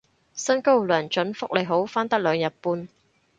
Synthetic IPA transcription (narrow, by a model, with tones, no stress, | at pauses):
sɐ˥nko˥wlœː˨˩nt͡ʃɵ˨˥nfʊ˥k̚le˨˩ɦo˨˥wfaː˥nt̪ɐ˥k̚lœː˨˧ŋjɐ˨t̚puː˨˧n